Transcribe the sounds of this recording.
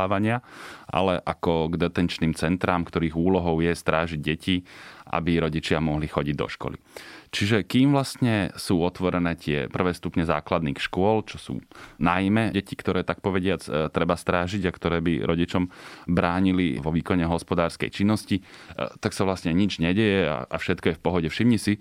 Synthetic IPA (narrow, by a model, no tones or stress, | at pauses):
aːʋaɲɪaʔa̰lɛʔakɔɡd̪ɛt̪ɛnt͡ʃniːmt͡sɛnt̪ɾaːmkt̪ɔɾiːɣuːlɔɦɔʊjɛst̪ɾaːʒiɟ̚ɟɛcʰiʔa̰biɾɔɟit͡ʃɪamɔɦlixɔɟiɟd̪ɔ̰ʃkɔ̰lḭt͡ʃiʒɛkiːmʋlast̪ɲɛsuːɔt̪ʋɔɾɛnɛːt̪ɪɛ̰pr̩ʋɛːst̪upɲɛza̰ːklad̪niːxʃkʊɔlt͡ʃɔsṵːnajmɛɟɛcikt̪ɔɾɛːt̪ak̚pɔʋɛɟɪat͡st̪ɾɛbast̪ɾaːʒiɟakt̪ɔɾɛːbḭɾʔɔɟit͡ʃɔmbɾaːɲiliʋɔʋiːkɔɲɛɦɔspɔd̪aːɾskɛ̰jt͡ʃinːɔsci | t̪aksaʋlast̪ɲɛɲid͡ʒɲɛɟɛjɛa̰ʔafʃɛt̪kɔjɛfpɔɦɔɟɛfʃimɲisi